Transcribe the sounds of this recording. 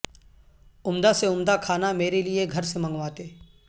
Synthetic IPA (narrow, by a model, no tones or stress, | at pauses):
ʊmd̪aseʊmd̪akʰaːnameːɾelieɡʱɐɾsemɐ̃ŋɡʋãːt̪eː